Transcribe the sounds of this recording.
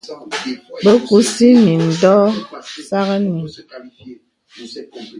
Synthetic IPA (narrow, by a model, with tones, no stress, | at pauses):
bə˦ku˨˦si˦ni˨n̩˨dɔ˦sa˦ɣə˦ni˨